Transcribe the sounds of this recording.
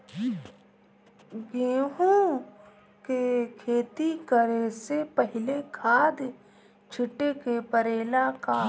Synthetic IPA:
ɡeːɦõ | kekʰeːt̪ikəɾesepəɦɪlekʰaːd̪ | t͡ʃʰɪʈekepəɾeːlaka

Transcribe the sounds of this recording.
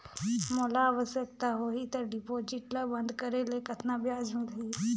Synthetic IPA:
moːlaːʋəsjək̚t̪aɦoɦit̪əɾɖɪpoːd͡ʒɪʈləbɐ̃nd̪kəɾelekɐt̪nabjaːd͡ʒmɪli

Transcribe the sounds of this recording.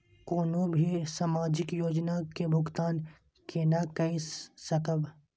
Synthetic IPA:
koːnõbʱisaːmaːd͡ʒɪkjoːd͡ʒnakebʱʊɡt̪aːn | kʰenakɐisɐkəb

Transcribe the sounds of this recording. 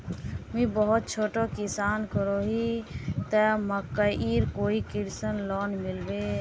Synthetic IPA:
mĩbəɦɔt̪̚t͡ʃʰoːʈokisaːnkəɾoɦit̪əməkəʔiɾkoːikiɽsənlɔːnmilbe

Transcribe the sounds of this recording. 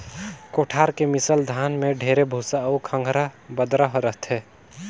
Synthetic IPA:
koʈʰaːɾkemɪsəld̪ʱaːnmẽɖʱeːɾebʱuːsaukʰə̃ŋɡʱɾabəd̪ɾəɦɾət̪ɦɛː

